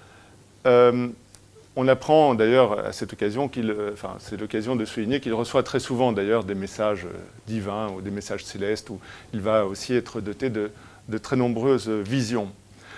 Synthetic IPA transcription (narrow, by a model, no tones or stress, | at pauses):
øm | ɔ̃napχɑ̃d̪ajœʁa̰sɛt̪ɔkazjɔ̃kʲilɑ̃fɛ̰̃sɛlɔkazjɔ̃d̪əsuliɲekʲilʁəswat̪χɛsuvɑ̃d̪ajœʁd̪emesaʒø̰ | d̪ivɛ̃ud̪emesaʒselɛst̪uilvaosiɛt̪χəd̪ɔt̪ed̪ə | d̪ət̪χɛnɔ̃bʁøzvizjɔ̃